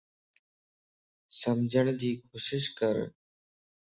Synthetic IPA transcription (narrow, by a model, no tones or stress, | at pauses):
səmd͡ʒʱəɳ̃d̪iːkʰoːʃɪʃkəɾ